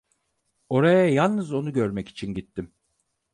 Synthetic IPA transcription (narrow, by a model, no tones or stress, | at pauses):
o̞ɾajajalˠnɯzo̞nuɟøɾmɛci̥t͡ʃʰinɟit̪ʰːim